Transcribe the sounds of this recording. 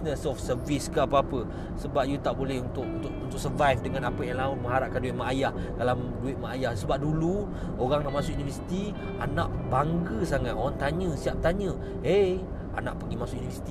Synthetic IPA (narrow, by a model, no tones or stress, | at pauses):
nəsɔfsəviskəapaapə | səbap̚jut̪aʔbolɛhunt̪ʊʔ̚unt̪ʊʔunt̪ʊk̚səvajfdəŋãnapəjaŋlamə̃ŋɦaɾaʔ̚kanduɪt̪̚maʔajahkala | duɪt̪̚maajahsəbap̚dulu | oɣaŋnaʔmasʊk̚univəsi̥t̪i | anãʔbaŋɡəsaŋat̪ʔoɣaŋt̪aɲə̃siap̚t̪aɲə̃ | e | a̰na̰ʔpəɡimasʊkunivəsi̥t̪i